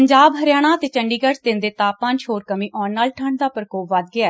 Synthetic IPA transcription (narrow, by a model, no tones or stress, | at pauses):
əɲd͡ʒaːbɦəɾjaːɽ̃aːət̪eːt͡ʃəɳɖiːɡəʈd̪ɪnd̪eːt̪aːpãːnt͡ʃʰoːɾkəmĩːʔɔːnːaːlʈʰəɳɖd̪aːpəɾkoːpʋad̪̚ɡɪaːɛː